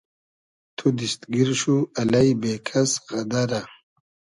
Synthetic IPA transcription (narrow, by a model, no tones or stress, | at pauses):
t̪ʰud̪ist̪ɡiɾɕuɐlɐjbeːkʰɐsɣɐd̪ɐɾa